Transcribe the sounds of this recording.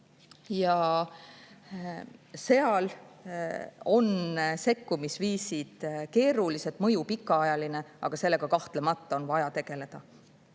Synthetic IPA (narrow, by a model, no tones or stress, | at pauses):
jɑ | se̞ɑl | o̞nse̞kːumisviːsid̪̥ke̞ːɾuliset̪ˑmɤ̞jupikːɑɑjɑline̞ɑ̰ɡ̥ɑse̞lːe̞ɡ̥ɑkɑht̪lemɑt̪ːˑɑo̞nvɑjɑt̪e̞ɡ̥e̞le̞d̪̥ɑ